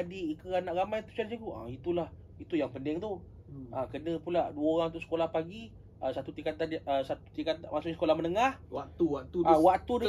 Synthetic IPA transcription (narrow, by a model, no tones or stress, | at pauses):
diikəanaʔɣamajt̪u̥sansikuʔa̰it̪ulah | it̪ujaŋpəndɪŋt̪u | ʔəkənəpuladuəoɾaŋunt̪ʊʔsə̥kolahpaɡi | ʔəsat̪ut̪ikat̪anəsat̪u̥t̪ikat̪amasʊʔɲisə̥kolahmənəŋahwakt̪uwat̪uawak̚t̪ud